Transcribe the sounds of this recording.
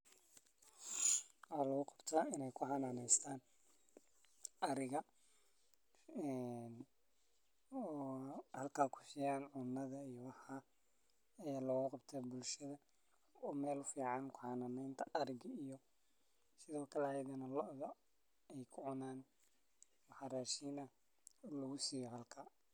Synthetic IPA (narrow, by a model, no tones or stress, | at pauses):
wħaːlɐɣʊqɑ̥b̥t̪ʰaːɪnɛjkʰʊhɑnaːnɛjst̪ʰaːn | ʔɐɾɪɣɐ | ɛn | ɔːhɐlkʰaːkʰʊ̥sɪjaːnʕʊnːɐðɐijɔwɑħaː | ɐjaːlɔɣʊqɑbt̪ʰɐbʊlʃɐðɐ | ɔːmɛːlʊfiːʕɑnkʰʊħɑnɐmɛjnt̪ʰɐɐɾɪɡɐijɔ | sɪðɔːkʰɐlɛjd̪ɐnɐlɔʔðɐ | ɛjkʰʊʕʊnaːn | wɑħɑraːʃiːnɐ | lɔɣʊsiːjɔhɐlkʰaː